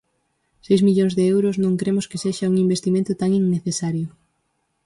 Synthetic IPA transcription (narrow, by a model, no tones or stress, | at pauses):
sejzmiʎoŋzðeewɾʊsnõŋkɾemʊskɪseʃɐuŋimbest̪imẽnt̪ʊt̪aŋiŋneθesaɾjʊ